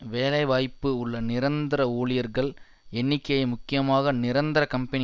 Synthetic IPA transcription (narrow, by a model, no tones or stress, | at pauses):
ʋeːlɐɪʋaːjpːɯʊɭːɐnɪɾɐnd̪ɪɾɐoːɭɪjɐɾɣɐɭ | ɛɳːɪkːɐjɐmʊkːɪjɐmaːɣɐnɪɾɐnd̪ɐɾɐkɐmpɐnɪ